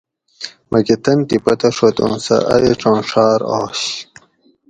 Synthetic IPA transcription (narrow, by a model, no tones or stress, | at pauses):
mʔɐket̪ɐnʈ̪ipɐt̪ɐʂot̪õ̰ːnsɐ̰ʔɐ̰ʔeʈ͡ʂõːnʂɑːɾoːɕ